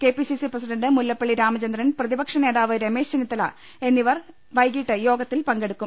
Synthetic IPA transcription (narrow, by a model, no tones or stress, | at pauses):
ke̞ːpisisiprɐs̬iɖɐnɖɨmulːɐpːeɭːiɾaːmɐt͡ɕɐnd̪ɾɐnprɐðibɐkʂɐne̞ːðaːʋɨɾemeːʂt͡ɕenit̪ːɐlɐ | e̞nːiʋɐr | ʋɐjɡiːʈːɨjo̞ːɡɐt̪ːilpɐŋɡe̞ɽukːum